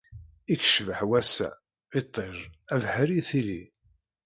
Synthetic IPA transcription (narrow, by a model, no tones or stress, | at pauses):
ikʃvəħwæsæ̰ | it̪ˤːeɾˤævħəɾiθili